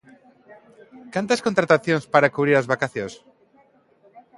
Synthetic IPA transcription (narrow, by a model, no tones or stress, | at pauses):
kant̪askõnt̪ɾat̪aθjõŋspaɾakuβɾiɾazβakaθjõs